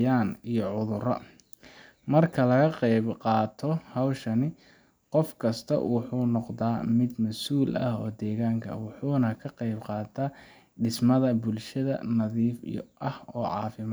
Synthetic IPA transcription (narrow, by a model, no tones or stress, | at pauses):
aːnijɔʕʊðʊrɐ̰ | mɐrkʰɐlɐɣɐqejbqɑːt̪ʰɔhɐwʃɐnɪ | qɔfkʰɐst̪ʰɐ̰wʔʊħuːnɔqd̪aːmɪd̪mɐsuːlɐ̰hɔːd̪ɛːɣaːŋkʰɐ̰wʊħuːnɐkʰɐqɑjbqɑːt̪ʰaː | ɖɪsmɐðɐbʊlʃɐðɐ̰nɐðiːfḭʔɐhɔːʕɑ̰ːfɪmː